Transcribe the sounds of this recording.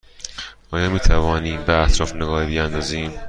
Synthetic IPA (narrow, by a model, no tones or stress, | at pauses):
ʔɒːjɒːmiːt̪ʰævɒːniːmbeæt̪ʰɾɒːfneɡɒːhbijænd̪ɒːziːm